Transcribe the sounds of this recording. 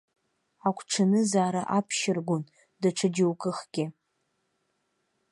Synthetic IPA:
akʷʰʈ͡ʂʰanɨzaːɾaʔapʰʃɪrɡʷʊn | daʈ͡ʂʰad͡ʒɪwkʼɨχɡ̥ʲɪ

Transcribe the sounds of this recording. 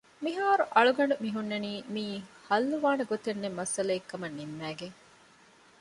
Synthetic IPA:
miɦaːɾuʔɐɭuɡɐɳɖumiɦunːɐniːmiːhɐlːuʋaːnɐɡot̪enːemːɐsɐlɐekːɐmɐnːimːæːɡeŋ

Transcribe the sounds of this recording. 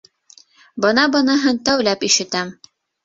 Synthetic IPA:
bɤ̆nɑbɤ̆nɤɦɤnt̪æwlæpiʃɘ̆t̪æm

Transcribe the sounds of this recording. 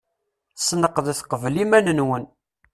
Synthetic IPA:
snəqːəðθqəvlimænənwən

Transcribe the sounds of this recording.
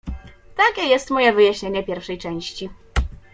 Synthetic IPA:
t̪akʲɛjɛst̪mɔjɛvɘjaɕɲeɲɛpʲjɛɾfʂɛjt͡ʂɛ̃w̃ɕt͡ɕi

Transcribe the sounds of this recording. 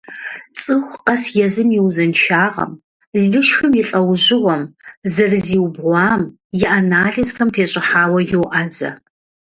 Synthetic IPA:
t͡sʼɨxʷqɐsjɛzɨmjɪwzɨnt͡ʃʰaːʁɐ̰m | ɮɨʃxɨmjɪɬʼɐwʑɪʁɐmzɐrɨziːwbʁʷɑːm | jɪʔanaːɮɐsxɐmtʰeːɕʼɪħaːwɐjɪwʔad͡zɐ̰

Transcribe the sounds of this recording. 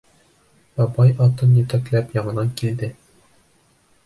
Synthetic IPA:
bɒbɑjʔɒt̪ɤnjɵt̪æklæpjɒɴɤ̆nɑŋkild̪ɘ

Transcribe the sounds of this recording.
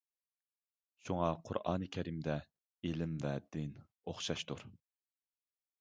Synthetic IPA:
ʃuŋɑqʰʊ̰ɾɑ̰ːnɨkʲʰɛɾimd̪ɛ | elɪmvɛd̪ɪn | oχʃɑʃt̪uɾ

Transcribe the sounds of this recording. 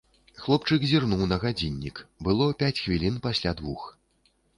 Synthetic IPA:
xlˠɔpt͡ʂɨkzʲirnuwnɐɣad͡zʲinʲːḭkbɨlˠɔpʲat͡sʲxvʲilʲinpasʲlʲad̪vux

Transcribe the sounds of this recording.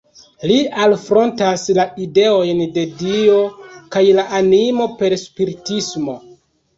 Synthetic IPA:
lialfɾo̞ntaslaide̞o̞jnde̞dio̞kajlaʔanimo̞pe̞ɾspiɾitismo̞

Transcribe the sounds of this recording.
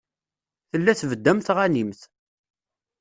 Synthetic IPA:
θəlːæθvəd̪ːæmt̪ʁænimθ

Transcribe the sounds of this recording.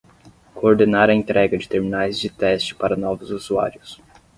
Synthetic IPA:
kʰoːɾd̪enaɾɐẽt̪ɾʔɛɡɐd͡ʒɪt̪eɾminajzd͡ʒɪt̪ɛst͡ʃɪ̥paɾɐnɔvʊzuzua̰ɾjʊs

